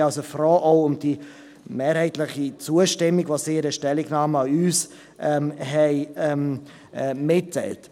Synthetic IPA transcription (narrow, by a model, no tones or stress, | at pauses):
ɑlsəfrɔːʔɔʊʊmd̥i | meːɾhɛɪtlɪχit͡suəʃtɪmːiɡvosiɪɾəʃtɛliɡnɑːməɑyːs | ʔɛmɦɛɪɛm | mɪtːɛ̰ɪlt